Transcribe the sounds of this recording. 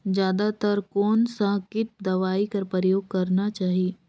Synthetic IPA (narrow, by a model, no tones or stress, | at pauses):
d͡ʒjaːd̪at̪əɾkɔːnsãːkɪt̪̚d̪ɐʋaːikɐɾpɾəjoːɡ̚kɐɾnat͡ʃaːɦieː